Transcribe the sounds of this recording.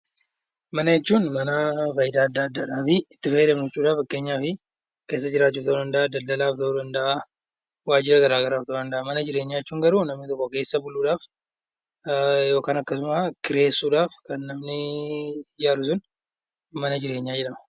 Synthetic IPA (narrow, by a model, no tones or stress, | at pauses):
mɐnɐjɛt͡ʃːuːnmɐnɐfɐjɪd̪aːɐd̪ːaɐd̪ːaːᶑaːfɪɪt̪ːɪfɐjɛd̪ɐmd͡ʒɛt͡ʃːuːᶑaːfɐkːe̞ːɲːaːfɪ | ke̞ːs̬ːɐd͡ʒɪɾaːt͡ʃːuːt̪ɐod̪ɐnd̪ɐʔad̪ɐld̪ːɐlaːft̪ɐoːd̪ɐnd̪ɐʔa | waːd͡ʒɪɾɐɡɐɾaːɡɐɾaːft̪ɐːd̪ɐnd̪ɐʔɐmɐnɐd͡ʒɪɾe̞ːɲːaːjɛt͡ʃːuːŋɡɐɾuːnɐmnɪt̪ɔkːoke̞ːsːɐbʊlːuːᶑaːf | jo̞ːkaːnɐkːɐsʊmakɪɾe̞ːsːuːᶑaːfkɐnːɐmnɪ | jaːlʊsʊn | mɐnɐd͡ʒɪɾe̞ːɲːaːd͡ʒɛᶑɐmɐ